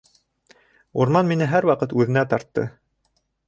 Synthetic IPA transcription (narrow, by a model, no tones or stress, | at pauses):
uɾmɑnminɘɦæɾwɑqɤt̪ʉðɘ̆næt̪ɑɾt̪ːɤ̰